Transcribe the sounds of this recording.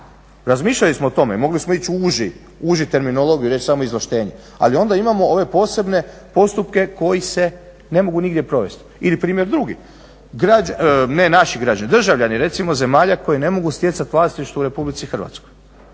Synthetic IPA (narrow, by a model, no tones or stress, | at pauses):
ɾazmiːʃʎalismo̞ot̪o̞me̞mo̞ɡlismo̞it͡ɕuʒi | uːʒit̪e̞ɾminolo̞ɡijuɾet͡ʃsamo̞izlˠaʃt̪e̞ːɲe | a̰lio̞nd̪aimamooʋe̞po̞ːse̞bne̞ | po̞st̪upke̞ko̞jise̞ | ne̞mo̞ɡuniɡd̪je̞pɾo̞ʋe̞st̪ilipɾiːmʲje̞ɾd̪ɾuɡi | ɡɾad͡ʒane̞naʃiɡɾad͡ʒanid̪r̩ʒaʋʎaniɾe̞t̪simo̞ze̞maːʎako̞jene̞mo̞ɡust̪je̞t̪sat̪ʋlˠaːst̪iʃt̪ouɾe̞publit̪sixɾr̩ʋa̰t̪sko̞̥j